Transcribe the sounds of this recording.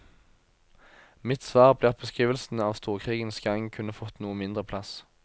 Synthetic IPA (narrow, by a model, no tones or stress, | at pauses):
mɪt̪sʋɑːʁbleːʁɑt̪bəskʁiːʋəlsn̩ɑːʋst̪uːʁkʰʁiːɡənsɡɑŋkʰʉnəfɔt̪nuːəmɪnd̪ʁəpʰlɑs